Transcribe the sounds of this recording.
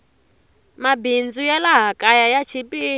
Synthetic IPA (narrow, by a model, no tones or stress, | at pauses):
mabind͡zujɛlaɦakʼajajat͡ʃʰipʼi